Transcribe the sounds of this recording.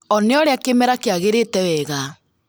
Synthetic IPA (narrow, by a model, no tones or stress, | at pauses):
ɔneɔɾeakemɛɾakeaɣeɾetɛwɛɣa